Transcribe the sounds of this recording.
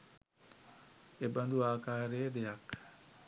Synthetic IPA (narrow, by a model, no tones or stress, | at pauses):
ebɐnd̪uaːkaːɾeːd̪ejak